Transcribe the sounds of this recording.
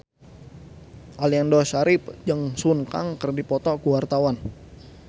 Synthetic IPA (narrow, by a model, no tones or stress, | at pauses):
ʔaliandɔsaɾɪpd͡ʒəŋsunka̰ŋkərdipɔt̪ɔɡuwart̪awan